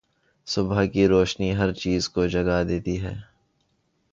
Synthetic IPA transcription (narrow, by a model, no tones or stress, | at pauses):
sʊbʱəkiɾoːʃniɦɐɾt͡ʃiːzkod͡ʒɐɡad̪eːt̪iɦɛː